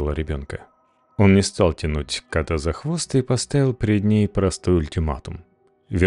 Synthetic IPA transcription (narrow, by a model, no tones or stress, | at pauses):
lˠəɾʲɪbʲo̞nkə | onnʲɪst̪alˠtʲɪnutʲkat̪əzɐxvo̞st̪ipɐst̪avʲɪlˠpʲɾʲɪd̪ʲnʲejpɾɐst̪ojʊlʲtʲɪma̰t̪ʊm | vʲɪ